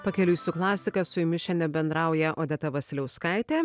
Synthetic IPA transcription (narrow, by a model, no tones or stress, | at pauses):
pɐkʲɛlʲʊːsʲʊklˠɑːsʲɪkɐsʊɪmʲɪʃʲɛnʲɛbʲɛnd̪ɾɑˑʊjɛʔoːd̪ʲɛt̪ɐʋɐsʲlʲɛʊskɑˑɪt̪ʲeː